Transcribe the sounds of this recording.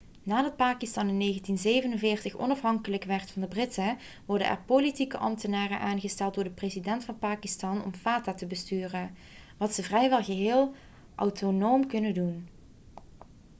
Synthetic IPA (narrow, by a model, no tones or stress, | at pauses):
naːdɑt̚paːkistɑnɪnːejɣəntinzejvənənvɪːɹtəxɔ̰nɑfɦɑŋkələkʋɛɹtfɑndəbrɪtə | ʋɔrdə̰nʔɛ̰ɹpolitikəʔɑ̰mtənaːrənʔaːnɣəstɛlˠd̚ʊːɹdəprezidɛntfɑnpaːkistɑnɔ̰mfaːtaːtəbəstyːrə | ʋɑtsəvrɛjʋɛlˠɣəɦɪːlˠ | ʔa̰wtʰonowmkɵnədun